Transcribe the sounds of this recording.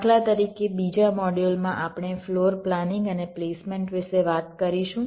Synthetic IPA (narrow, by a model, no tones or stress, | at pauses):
ʈʰlat̪əɾikebid͡ʒamɔɖulmãʔapɳefloɾplanɪŋɡənepleːsmẽɳʈʋɪʃeʋat̪kəɾiʃũ